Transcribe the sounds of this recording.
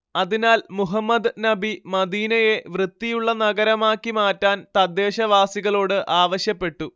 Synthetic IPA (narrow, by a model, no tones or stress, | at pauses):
ɐðinaːlmuɦɐmːɐd̪nɐbimɐd̪iːnɐje̞ʋrɨt̪ːijuɭːɐnɐɡɐɾɐmaːkːimaːtːaːnt̪ɐd̪ːe̞ːɕɐʋaːsiɣɐɭo̞ːɽɨʔaːʋɐɕjɐpːe̞ʈːu